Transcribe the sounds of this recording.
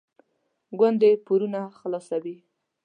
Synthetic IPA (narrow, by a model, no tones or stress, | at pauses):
ɡwand̪epuɾunaxlasawi